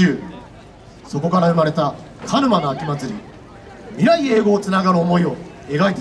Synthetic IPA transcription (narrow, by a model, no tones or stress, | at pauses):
ɯː | so̞ko̞kaɾaɯ̟maɾe̞t̪a | kʰaɾɯ̟mano̞akʲimat͡sɨɾʲḭ | mʲiɾaie̞ːɡo̞ːt͡sɨnaɡaɾɯ̟omo̞io̞ | e̞ɡait̪e